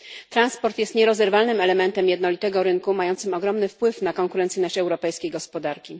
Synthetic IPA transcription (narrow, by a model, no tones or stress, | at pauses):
t̪ɾanspɔɾt̪jɛst̪ɲɛɾɔzɛɾvalnɘmɛlɛmɛnt̪ɛmjɛd̪nɔlʲit̪ɛɡɔɾɘŋkumajɔnt̪sɘmɔɡɾɔmnɘfpwɘfnakɔŋkuɾɛnt̪sɘijnɔɕt͡ɕɛwɾɔpɛjskʲejɡɔspɔd̪aɾkʲi